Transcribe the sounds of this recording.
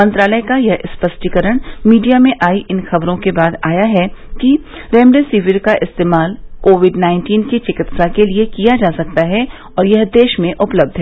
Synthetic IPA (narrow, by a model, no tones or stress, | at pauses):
mɐ̃nt̪ɾaːləjkajɐɦɪspɐsʈikəɾəɽ̃miːɖijamẽʔaːiʔɪnxɐbɾõkebaːd̪aːjaɦɛki | ɾẽːmɖesiːʋɪɾkaʔɪst̪eːmaːlkoːʋɪɖnãːɪ̃nʈiːnkit͡ʃɪkɪt̪sakeliekijad͡ʒaːsɐk̚t̪aɦɛ | ɔːɾjɐɦd̪eːʃmẽʔʊpləb̚d̪ʱɦɛː